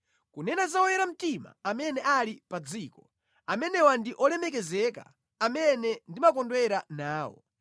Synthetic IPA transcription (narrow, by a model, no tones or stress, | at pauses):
kunɛnazaɔjɛɾam̩tima̰amɛnɛʔalipad͡ziːkɔ | amɛnɛwandiʔɔlɛmɛk̬ɛzɛka̰ | amɛnɛndimakɔndwɛɾanaːwɔ̰